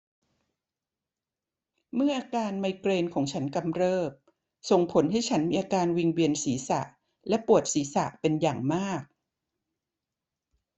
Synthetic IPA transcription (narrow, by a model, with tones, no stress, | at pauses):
mɯ˥˩ɐʔaː˧kaː˧nmaː˧jkɾeː˧nkʰɔː˩˦ŋt͡ɕʰa˦˥nka˧mɾɤː˥˩p̚ | so˨˩ŋpʰo˩˦nɦa˥˩jt͡ɕʰa˦˥nmiː˧ʔaː˧kaː˧nwi˧ŋwi˧ənsiː˩˦sa̰˨˩ʔ | lɛ˦˥pu˨˩ət̪̚siː˩˦sa˨˩ʔpe˧njaː˨˩ŋmaː˥˩k̚